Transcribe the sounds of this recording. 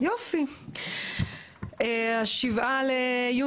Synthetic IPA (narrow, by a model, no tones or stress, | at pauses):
jofi | eaʃivʔaleju